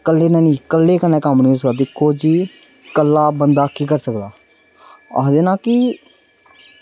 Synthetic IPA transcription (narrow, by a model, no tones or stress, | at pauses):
kəlːeːnɛ̃ːnĩːkəlːeːkənɛ̃ːkəmnĩːʊsɡaːd̪ɪkʰːoːd͡ʒiː | kəlːaːbənd̪aːkiːkəɾsəkd̪aː | aːɦd̪eːnãːkɪː